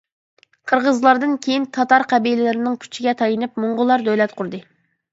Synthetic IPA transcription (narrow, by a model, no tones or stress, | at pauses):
qʰəɾʁəzlˠɑɾd̪ɨnkʲʰejint̪ʰɑt̪ɑɾqʰæbijlɪlɪɾɪnɪŋkʲʰy̥t͡ʃʰiɡʲɛt̪ʰɑjɨnɨp̚muɴʁʊlˠɑɾd̪ølɛt̪qʰʊɾd̪ɨ